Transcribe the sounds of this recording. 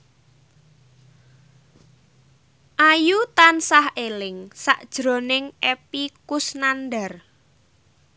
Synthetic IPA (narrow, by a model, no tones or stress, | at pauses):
ʔajut̪ansahʔelɪŋsaʔd̥ʒ̥ɾo̤nɪŋʔepikʊsnandar